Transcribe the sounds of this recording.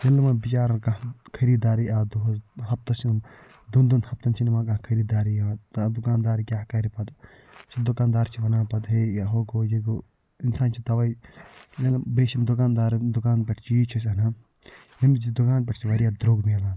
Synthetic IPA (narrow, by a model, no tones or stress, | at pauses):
jelɐmɐbit͡ʃaːɾɐnkãɦkʰɐɾiːd̪aːɾiʔaːd̪uɦɐzɦɐp̚t̪ɐsm | d̪und̪unhɐp̚t̪ɐnt͡ʃʰinimãːkãkʰɐɾiːd̪aːɾiaːt̪ad̪ukaːnd̪aːɾkʲjaːkɐɾipɐt̪ | sɐd̪ukaːnd̪aːɾt͡ʃʰiʋɐnaːpɐt̪ɦejaɦoɡojiɡo | insaːnt͡ʃʰit̪ɐʋɐjjelbeːʃimd̪ʊkaːnd̪aːɾd̪ukaːnpɐʈʰt͡ʃʰijit͡ʃʰis̬ɐna | jimd͡ʒid̪ukaːn̚pʲɐʈʰt͡ʃʰiʋɐɾʲijaːd̪ɾoːɡmeːlaː